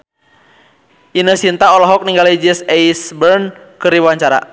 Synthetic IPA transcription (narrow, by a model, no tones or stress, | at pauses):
ʔinəsint̪aɔlɔɦɔk̚niŋɡalad͡ʒɛsɛisbərn | kɨɾiwaɲt͡ʃaɾa̰